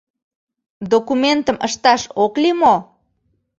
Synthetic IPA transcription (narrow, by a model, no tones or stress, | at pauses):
d̪okument̪əməʃt̪ɑʃoklimo